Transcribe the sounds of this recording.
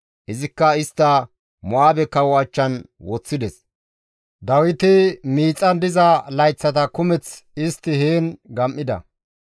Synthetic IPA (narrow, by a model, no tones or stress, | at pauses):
ʔɪzɪkːɐɪst̪ːɐ | mʊaːbɛkːɐwɔɐt͡ʃːɐn | wɔt͡sːɪd̪ɛs | d̪ɐwɪt̪ɪmiːt͡sʼːɐnd̪ɪzɐlɐjt͡sːɐt̪ɐkʊmɛt͡sɪst̪ːɪheːnɡɐmʔːɪd̪ɐ̰